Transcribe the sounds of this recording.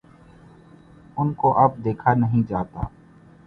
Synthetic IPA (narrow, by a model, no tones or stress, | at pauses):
ʊnkoʔɐb̚d̪eːkʰanəɦĩd͡ʒaːt̪a̰ː